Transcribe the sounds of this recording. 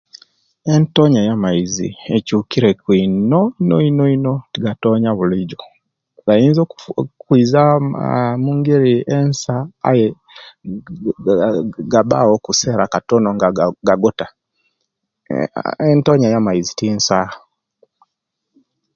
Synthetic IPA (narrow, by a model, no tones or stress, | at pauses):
entoɲajamaizḭecukiɾekwinoinoinoinotiɡatoɲaβuliɟo | ɡainzokwiːza | muːŋɡeɾiensaa̰je | ɡaba̰wokuseɾakatonoŋɡaɡaɡota | entoɲajamaizitinsa